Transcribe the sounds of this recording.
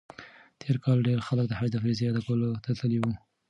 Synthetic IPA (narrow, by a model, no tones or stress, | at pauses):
t̪ʰeɾkɑlɖeɾxalək̚d̪əhad͡ʒd̪əfɾizejɑd̪akawəlot̪at̪əliwu